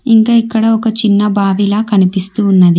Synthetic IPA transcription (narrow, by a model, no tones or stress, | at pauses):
iŋkaːikːɐɽɐɔkɐt͡ʃinːɐbʱaːʋilaːkɐnipist̪uːnːɐd̪i